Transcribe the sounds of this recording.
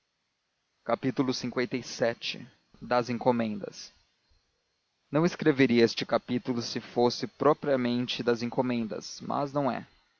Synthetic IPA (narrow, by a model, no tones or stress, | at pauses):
kapit̪ulʊsĩŋkwẽnt̪ejsɛt͡ʃɪ̰ | d̪ɐzẽŋkomẽnd̪ɐ̰s | nɐ̃w̃ɪskɾeveɾiɐest͡ʃɪkapit̪ulʊsɪfosɪpɾɔpɾiɐmẽnt͡ʃɪd̪ɐzẽŋkomẽnd̪ɐ̰smʔɐ̰znɐ̃w̃ɛ̰